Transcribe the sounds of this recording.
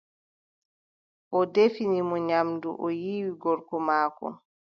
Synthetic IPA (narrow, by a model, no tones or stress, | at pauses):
ʔɔdefinimɔɲamduʔɔjiːwiɡɔɾkɔmaːkɔ̰